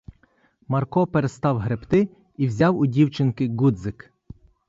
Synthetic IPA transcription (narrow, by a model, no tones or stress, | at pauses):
mɐrkɔpeɾest̪ɑwɦɾebt̪ɪ | iwzʲɑwʊdʲiwt͡ʃɪnkɪɡud̪zɪk